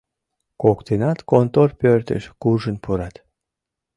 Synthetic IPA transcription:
kokt̪enɑt̪kont̪orpørt̪ə̰ʃkuʒənpuɾɑt̪

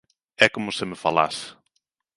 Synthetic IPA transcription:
ɛkomʊsɪmɪfala̰sɪ̥

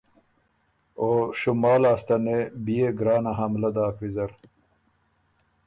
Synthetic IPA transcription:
oːɕumaːlaːst̪ɐnebijeɡɾaːnaɦamlɐd̪aːkfizɐɾ

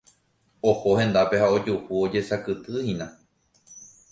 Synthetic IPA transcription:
ohohẽ̞nd̪ape̞haod͡ʒuhuo̞d͡ʒe̞sakɨt̪ɨhĩnã

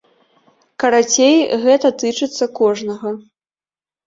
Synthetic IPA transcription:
kɐɾat͡sʲejɣɛt̪ɐt̪ɨt͡ʂɨt̪sːɐkɔʐnɐɣɐ

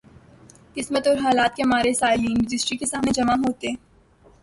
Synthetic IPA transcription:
kɪsmət̪ɔːɾɦaːlaːt̪̚kemaːɾesaːɪliːnɾɪd͡ʒɪsʈɾikesaːmned͡ʒɐmaɦoːt̪e

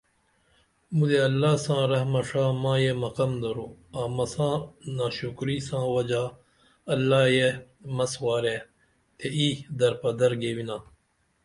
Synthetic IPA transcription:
mud̪eɐlːaːsãːɾɐɦmɐʂaːmãːjemɐqɐmd̪ɐɾoːaːmɐsãːnaːɕukɾiːsãːwɐd͡ʑaː | ɐlːaːje | mɐswaːɾeː | t̪ʰeiːd̪ɐɾpɐd̪ɐɾɡeːwinãː

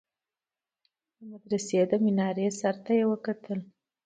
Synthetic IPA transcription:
d̪əmad̪ɾased̪əmɪnɑɾesaɾt̪ajewəkat̪ʰəl

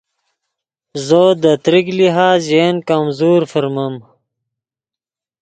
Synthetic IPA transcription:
zoːd̪ət̪ɾikliɦaːzeːnkɐmzuːɾfəɾmɐm

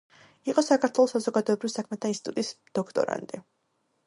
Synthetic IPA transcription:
iqʼɔsakʰaɾt̪ʰwɛlˠɔsazɔɡad̪ɔɛbɾivisakʰmɛt̪ʰainsit̪ʼṵt̪ʼisd̪̥ɔkʰt̪ʼɔ̰ɾa̰nt̪ʼi

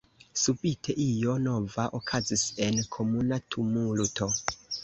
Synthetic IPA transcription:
subitʰeʔijo̞novaʔokʰazise̞nkʰo̞munatʰumulto

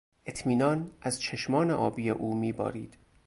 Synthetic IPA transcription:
ʔe̞t̪ʰmiːnɒːnʔæzt͡ʃʰeʃmɒːneʔɒːbiːjḛʔuːmiːbɒ̰ːɾiːd̪̥

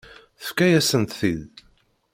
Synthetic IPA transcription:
θə̥fkæjæsənt̪θið

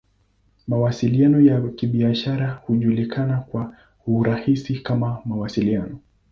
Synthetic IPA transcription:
mawasilianɔjakiɓiaʃaɾahuʄulikʰanakwa | huɾahisikamamawasilianɔ

